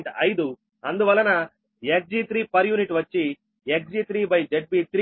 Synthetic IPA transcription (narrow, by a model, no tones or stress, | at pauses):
ɳʈɐjd̪u | ɐnd̪uʋɐlːɐnɐ | ek̚d͡ʒiːt̪ʰɾiːpɐɾjuːniʈʋɐt͡ʃːi | ek̚d͡ʒit̪ɾiːbɐjd͡ʒeʈ̚biːt̪ʰɾ